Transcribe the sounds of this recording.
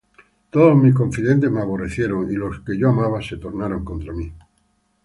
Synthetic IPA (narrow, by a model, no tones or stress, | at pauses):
t̪oðomiko̞ɱfiðe̞nt̪e̞maβ̞o̞re̞θje̞ɾo̞ŋilo̞ske̞ʝoamaβ̞ase̞t̪o̞ɾnaɾo̞ŋko̞nt̪ɾami